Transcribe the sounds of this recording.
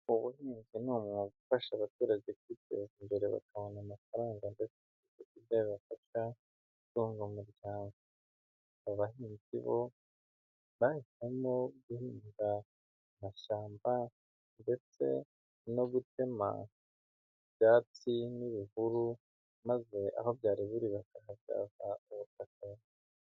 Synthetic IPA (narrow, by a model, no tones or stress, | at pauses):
uβuhiːnzinuːmŋoɡufaʃaβatuːɾaɟekwitḛzimbe̞ɾe̞βa̰kaβo̞namafaɾaːŋɡande̞t͡seikekideβafaʃa | utuːŋɡomuɾɟaːŋɡo | aβahiːnzḭβo̞ | βahitemoɡuhiːnda | maʃaːmba | nde̞t͡se̞̰ | no̞ɡute̞ma̰ | bjaːt͡siniβihuɾu | maze̞ʔa̰ho̞bjaːɾiβiɾiβakahaja̰ːvauβutaka